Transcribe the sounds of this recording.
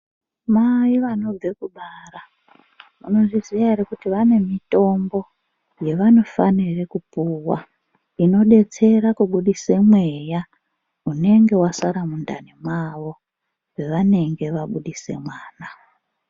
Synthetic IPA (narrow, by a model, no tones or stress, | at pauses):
maiʋano̞b͡ve̞kuɓara | muno̞ʐizijarikutiʋane̞mito̞mbo̞ | je̞ʋano̞fanirekupuːwa̰ | ino̞ɗe̞t͡se̞rakuɓuɗisemwe̞ja | une̞ŋɡe̞wasaɾamundanimwaʋo̞ | we̞ʋane̞ŋɡe̞ʋaɓuɗise̞̰mwaːna